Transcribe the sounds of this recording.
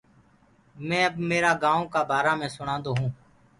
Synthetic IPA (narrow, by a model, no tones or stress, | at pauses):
mɛ̃ːəbmeːɾaːɡãːõːkaːbaːɾaːmẽːsʊɽãːnd̪oːɦũː